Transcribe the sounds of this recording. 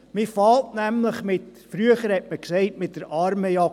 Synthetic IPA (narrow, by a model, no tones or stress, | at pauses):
mifɑltnæmləχmɪtfɾyəχəɾhɛtməksɛɪtmɪtdəɾʔɑɾməjɑ